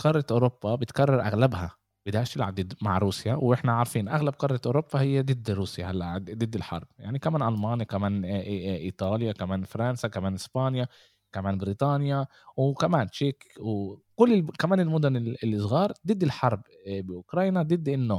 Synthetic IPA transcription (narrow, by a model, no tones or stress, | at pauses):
qɑrˤɑʔʊɾobːabɪt̪karˤːɑɾˤʔaɣlabha | b̥ɪd̪aːʕʃt̪ɪlʕab̚d̪ɪd̪maʕɾˤuːsjawʔɪħnaʕɑɾˤfiːnʔaɣlab̚qɑrˤːɑt̪ʔʊɾopːahɪjːad̪ɪd̪ːɾuːsjahalːa̰ʔd̪ɪd̪ːɪlħɑ̰ɾˤb̥̚jaʕnikamaːnʔɑlmaːnjakamaːnʔiːt̪ˤɑːljakamaːnfɑɾˤɑnsakamaːnʔɪspɑːnja | kamaːnbɾiːt̪ˤɑːnja | wkamaːnt͡ʃeːkwkʊlːɪkamaːnɪlmʊd̪ʊnɪlːisˤɣɑːɾˤd̪ɪd̪ːɪlħɑɾˤb | bɪʔʊkɾˤɑːjnad̪ɪd̪ːʔɪnːoː